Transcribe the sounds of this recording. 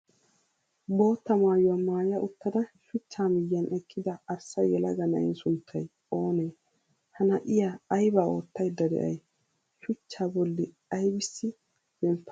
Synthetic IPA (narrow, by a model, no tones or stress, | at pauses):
bo̞ːt̪ːɐmaːjɔwamaːjɐʔʊt̪ːɐd̪ɐʃʊt͡ʃːaːmɪjːɐnʔɛkʰːɪd̪ɐɐɾsɐjɛlɐɡɐnɐ̰ɪ̰nsʊnt̪ʰːɐj | o̞ːneː | hɐnɐʔɪjaɐjbaːo̞̰ːt̪ːɐjd̪ɐd̪ɛ̰ʔɐ̰j | ʃʊt͡ʃːaːbɔlːɪ | ɐjbɪsːɪ | bɛmpːɐ